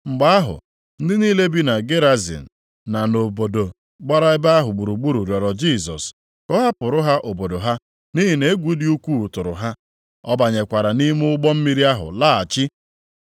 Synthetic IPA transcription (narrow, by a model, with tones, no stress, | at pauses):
ŋ͡m̩˨ɡ͡ba˦a˦ɦʊ̰˨ | n̩˦dɪ˦niː˦le˦bi˦na˨ɡe˦ɾa˦zḭ˨n̩˨ | na˨no˨bo˨do˨ | ɡ͡ba˦ɾa˦ɪ˦ba˦a˦ɦʊ˨ɡ͡bu˨ɾu˨ɡ͡bu˦ɾu˨ɾjɔ˨ɾɔ˨d͡ʒi˦˨sɔ̰˨s | kɔ˦ɦa˦pʊ˨ɾʊ˦ɦa˦ʔo˨bo˨do˨ɦa˦ | ni˦ɦi˨ne˨˦ɡʷu˨di˦u˦kʷu˦˨tʊ˨ɾʊ̰˨ɦa˦ | ɔ˦ba˨ɲe˨kʷa˨ɾa˨ni˦m˦ʊ˦ɡ͡bɔ˦m̩˦mi˦ɾi˦a˦ɦʊ̰˨la˦a˨t͡ʃɪ˦